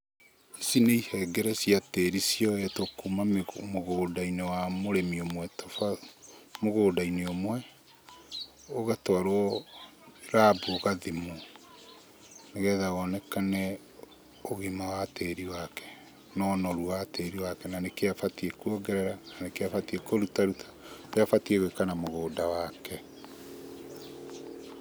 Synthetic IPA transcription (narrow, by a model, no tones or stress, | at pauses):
isineihɛɡɛɾɛsiateɾisiɔɛtokumammoɣoːdainewamoɾemiomwɛtɔfa | moɣoːdaineomwɛ | oɣatwaɾoɔ | ɾaːbuoɣaðimo | neɣɛðaɣɔnɛkanɛ | oɣemawateɾiwakɛ̥ | nɔnɔɾuwateɾiwakɛnanekeafatiekwɔɡɛɾɛɾananekeafatiekoɾutaɾutʰḁdeafatieɣekanamoɣoːdawakɛ